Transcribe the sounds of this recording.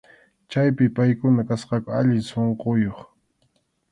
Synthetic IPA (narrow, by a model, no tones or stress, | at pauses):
t͡ʃajpɪpajkʊnakasqɑkʊaʎɪsoɴqojoχ